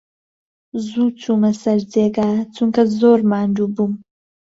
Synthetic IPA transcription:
zuːt͡sʰumɐsɐɾd͡zeːɡaːt͡sʰuŋkɐzoːɾmaːndubum

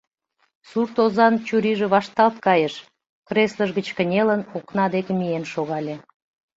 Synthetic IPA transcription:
surt̪ozɑnt͡ɕuɾiʒĕβɑʃt̪ɑlt̪kɑjəʃ | kresləʒɣət͡ɕkə̆nʲelənoknɑd̪ekemienʃoɣɑlʲe

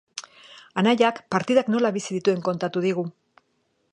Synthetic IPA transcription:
anajakpaɾt̪iðakno̞laβisiðit̪ue̞ŋko̞nt̪at̪uðiɣ̞u

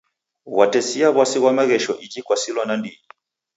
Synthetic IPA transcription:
watɛsiaβwasiɣwamaɣɛʃɔʔikikwasilɔnandii

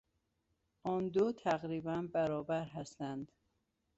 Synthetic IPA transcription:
ʔɒnd̪ot̪ʰæɣɾiːbænbæɾɒːbæɾɦæst̪ænd̪̥

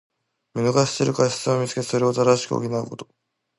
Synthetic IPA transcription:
mʲinoɡaɕseɾɯ̟kaɕi̥t͡sɨomʲit͡sɨ̥ke̞t̪eso̞ɾe̞ot̪ad̪aɕi̥kɯ̟o̰kʲinaɯko̞t̪o̞̥

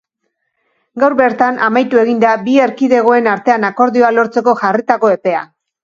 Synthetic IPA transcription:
ɡawɾβe̞ɾt̪anʔamajt̪ue̞ɣind̪abie̞ɾkiðe̞ɣ̞o̞e̞naɾt̪e̞anako̞ɾðio̞alo̞ɾt͡se̞ko̞ʝarit̪ako̞e̞pe̞a̰

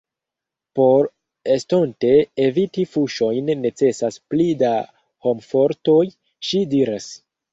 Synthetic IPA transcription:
po̞ɾ | e̞sto̞nte̞ːvitifuʃo̞jnːe̞t͡se̞sasplida | ho̞mfo̞ɾto̞j | ʃidiɾas

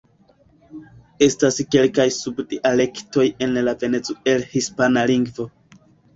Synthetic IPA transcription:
e̞staske̞lkajsubdiʔale̞kto̞je̞nlave̞ne̞t͡soe̞lhispanaliŋɡvo̞

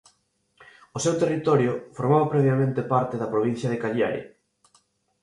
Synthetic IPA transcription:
ʊsewt̪erit̪ɔɾjʊfoɾmaβɐpɾɛβjamẽnt̪epaɾt̪eðɐpɾoβin̟θjɐðekaʎjaɾḭ

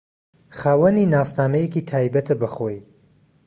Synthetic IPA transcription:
χaːwɐniːnaːsnaːmɛjekit̪ʰaːjbɐt̪ʰɨbɐχoj

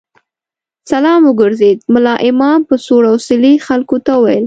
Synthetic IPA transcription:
salɑmʊɡʊɾzed̪mʊlɑʔɪmɑmpəsoɽawsɪlixalkot̪auwa̰jəl

